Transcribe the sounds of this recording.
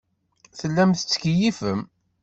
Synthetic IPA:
θəlːæmθət͡sːə̥kijifəm

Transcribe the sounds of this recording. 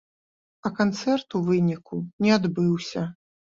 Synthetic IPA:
ɐkant̪sɛrt̪uvɨnʲikunʲɛad̪bɨwsʲɐ

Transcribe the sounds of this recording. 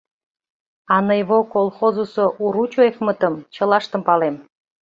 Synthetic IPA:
ɑnəjβokolˠxozusoʔuɾut͡ɕoefmət̪ə̆mt͡ɕə̆lɑʃt̪ə̆mpɑlem

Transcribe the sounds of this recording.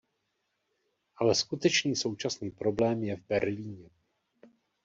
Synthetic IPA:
ʔalɛskut̪ɛt͡ʃniːso̞wt͡ʃasniːpɾo̞blɛːmjɛvbɛɾliːɲɛ

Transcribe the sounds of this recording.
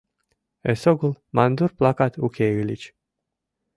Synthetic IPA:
esoɡulmand̪urplakat̪ukʰʲeylit͡ʃʲ

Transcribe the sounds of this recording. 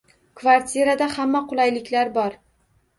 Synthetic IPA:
kvaɾt̪ʲʰeɾad̪ahamːaqʰʊlˠajlɪkʲlaɾbɒɾ

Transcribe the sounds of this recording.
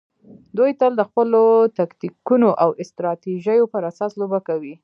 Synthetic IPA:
d̪ujt̪əld̪əxpəlot̪akt̪ikunoʔawɪst̪ɾɑt̪iʒəjopəɾasɑslobakawi

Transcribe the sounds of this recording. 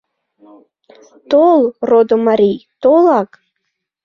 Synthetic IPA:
t̪olˠrod̪omaɾʲijt̪olˠɑk

